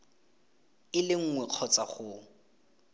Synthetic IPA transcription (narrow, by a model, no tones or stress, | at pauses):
ɪlɪŋ̩ŋwɛq͡χʰɔt͡sʼaχʊ